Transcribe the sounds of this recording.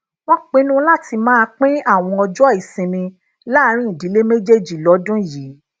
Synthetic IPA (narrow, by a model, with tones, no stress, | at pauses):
w̃ɔ̃˦k͡pĩ˦nũ˦la˦ti˧mãː˦˧k͡pĩ˦a˦˨w̃ɔ̃˧ɔ˧d͡ʒɔ˦˨i˨sĩ˧nĩ˧ | la˦˧ɾ̃ĩ˦˨di˨˦le˦me˦d͡ʒe˦˨d͡ʒi˨lɔ˨˦dũ˦ji˨˦